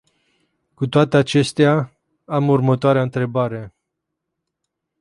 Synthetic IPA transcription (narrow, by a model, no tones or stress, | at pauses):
kut̪oat̪eat͡ʃe̞st̪ea | amurmət̪oaɾeaɨnt̪ɾe̞baɾe̞